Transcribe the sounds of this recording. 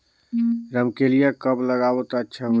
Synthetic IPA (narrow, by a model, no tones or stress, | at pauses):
ɾəmkelijakəbləɡabot̪atːʃʰaɦ